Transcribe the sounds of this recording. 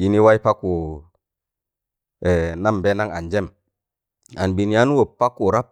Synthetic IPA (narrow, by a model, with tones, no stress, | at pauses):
i˨ni˦wa˦i˦pa˦ku˨ | e˨na˦mbe˦na˦ŋa˨nd͡ʒe˦m | a˨nbi˨ni˨ja˦nu˦wo˨pːa˦kːu˨ɾa˦p̚